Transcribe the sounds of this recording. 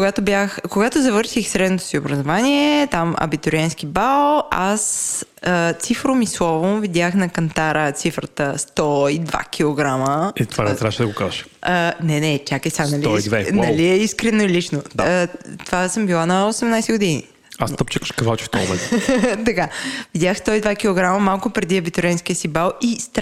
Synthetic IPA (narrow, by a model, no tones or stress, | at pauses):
koɡat̪objaxkoɡat̪ozɐvɤɾʃixsɾɛd̪not̪o̥siobɾɐzovaniɛt̪amɐ̰bit̪oɾiansk̟ibalˠas | ət̪sifɾomislˠɔvovid̪ʲjaxnɐkɐnt̪aɾət̪sifɾət̪əst̪ɔid̪va̰kʲʰilˠoɡɾaməit̪oanɛzɾaʃɛd̪ɐɡokazəʃənɛnɛt͡ʃʲakɛsanɐliid̪vɛnɐliɛiskɾɛnoilit͡ʃnod̪t̪ovasəmbilˠanɐosɛmnajsɛɡʊd̪inḭ | ast̪əpt͡ʃəkə̥ʃkɐvalt͡ʃi̥ft̪ɔmomɛ̰̃nt̪t̪ɐkavid̪ʲaxst̪ɔid̪vakʲilˠoɡɾaməmalˠkʊpɾɛd̪iɐbit̪ʊɾʲianskiəsibalˠist̪